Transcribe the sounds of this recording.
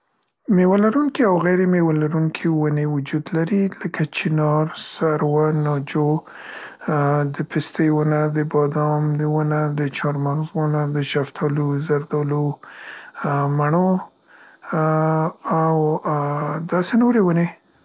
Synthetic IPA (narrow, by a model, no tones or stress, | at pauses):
mewalaɾuŋkiawɣajɾemewalaɾuŋkʰewanewʊd͡ʒud̪laɾiləkʰat͡ʃinɑɾsaɾwanɑd͡ʒo | d̪əpʰɪst̪əjwʊnad̪əbɑd̪ɑmd̪əwanad̪ət͡ʃɑɾmaɣzwanad̪əʃaft̪ʰɑluzaɾd̪ɑlu | maɳo | aw | d̪ɑsenoɾewane